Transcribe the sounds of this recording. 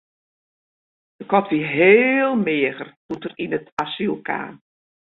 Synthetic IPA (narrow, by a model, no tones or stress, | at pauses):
dəkɔtʋiɦeːlˠmɪəɣərtuntərinətasilˠkʰa̰ːn